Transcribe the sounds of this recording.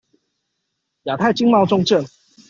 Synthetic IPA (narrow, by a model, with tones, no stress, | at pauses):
ja˨˩t̪ʰa˥˩ɪt͡ɕi˥ŋmɑ˥˧ʊʈ͡ʂʊ˥˧ŋʈ͡ʂə˥˨˩ŋ